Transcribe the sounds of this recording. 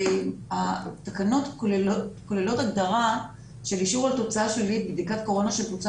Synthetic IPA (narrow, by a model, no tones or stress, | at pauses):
at̪akano̞t̪kolelotkolelo̞taɡd̪aʁa | ʃe̞liʃuʁalt̪o̞t͡saaʃlilit̚bd̪ikatko̞ʁo̞naʃe̞lt̪ot͡s